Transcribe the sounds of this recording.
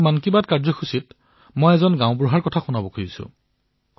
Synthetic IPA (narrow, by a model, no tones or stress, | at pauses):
mankibatkaɹzɔxʰusit | mɔjɛzɔnɡãʊ̃bɹuɦaɹkɔtʰaxunabɔkʰojisʊ̰̃